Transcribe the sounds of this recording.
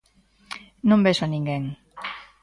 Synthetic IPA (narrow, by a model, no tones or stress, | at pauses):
nõmbesʊanĩŋɡeŋ